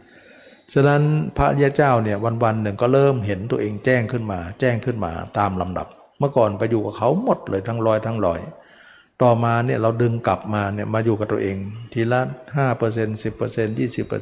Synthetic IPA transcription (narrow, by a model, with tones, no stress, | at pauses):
sʰa˧na˦˥npʰa˦˥ʔɾi˦˥a˧˥t͡ɕaː˥˩wni˥˩ɐwa˧nwa˧nːɯ˨˩ŋkɔː˥˩ɾɤː˥˩mɦe˩˦nt̪u˧ɐʔeː˧ŋt͡ɕɛː˥˩ŋkʰɯ˥˩nmaː˧t͡ɕɛː˥˩ŋkʰɯ˥˩nma̰ː˧t̪aː˧mla˧mda̰˨˩p̚ | mɯ˥˩ɐkɔː˨˩npa˧juː˨˩ka˨˩kʰa˦˥wmo˨˩t̪̚lɤː˧jt̪ʰa˦˥ŋlɔː˦˥˩jt̪ʰa˦˥ŋlɔː˧˩j | t̪ɔː˨˩maː˧ni˥˩ɐɾa˧wdɯ˧ŋka˨˩p̚maː˧ni˥˩ɐmaː˧juː˨˩ka˨˩t̪u˧ʔeː˧ŋt̪ʰiː˧la˦˥haː˥˩pɤː˧se˧nsi˨˩pːɤː˧se˧njiː˥˩si˨˩pːɤ̰˧